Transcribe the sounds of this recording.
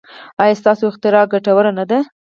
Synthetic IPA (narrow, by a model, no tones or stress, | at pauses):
ɑjɑst̪ɑsoɪxt̪ɪɾɑɡaʈawəɾanad̪a